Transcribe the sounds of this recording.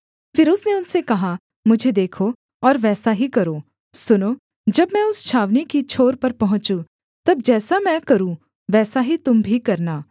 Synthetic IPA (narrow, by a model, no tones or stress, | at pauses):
fɪɾʊsneʊnsekɐɦa | mʊd͡ʒʱed̪eːkʰo | ɔːɾʋɛːsaɦikɐɾõː | sʊnoː | d͡ʒɐbmɛ̃ʊst͡ʃʰaːʋnikit͡ʃʰoːɾpɐɾpɐɦʊ̃t͡ʃu | t̪ɐb̚d͡ʒɛːsamɛ̃kɐɾũ | ʋɛːsaɦit̪ʊmbʱikɐɾnaː